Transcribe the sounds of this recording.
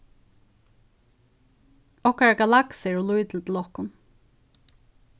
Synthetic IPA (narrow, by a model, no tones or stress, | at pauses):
ɔhkɹaɡalaksɛɹɔlujt̪l̩t̪ʰɪlɔhkʊn